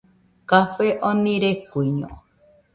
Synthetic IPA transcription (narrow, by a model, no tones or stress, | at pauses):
kafeʔõnĩɾekuiɲõ̰